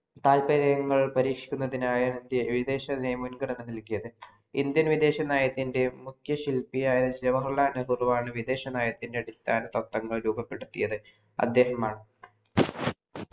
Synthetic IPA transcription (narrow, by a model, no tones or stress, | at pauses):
t̪aːlpɐɾɐjɐŋːɐɭpɐɾiːkʂikʲːunːɐðinaːjɐind̪jɐʋid̪e̞ːɕɐnejmunɡɐɽɐnːɨnilkːijɐðɨ | ind̪jɐnʋid̪e̞ːɕɐnaːjɐt̪ːinde̞mukʰjɐɕilpijaːjɐnɨd͡ʑɐʋɐrɐɭaːnɐrurʋaːɳɨʋid̪e̞ːɕɐnaːjɐt̪ːinde̞ɐɽist̪ʰaːnɐt̪ɐkt̪ːɐŋːɐɭɾuːbɐpːeɽut̪ːijɐðɨ | ɐ̰d̪ːe̞ːhɐmaːɳɨ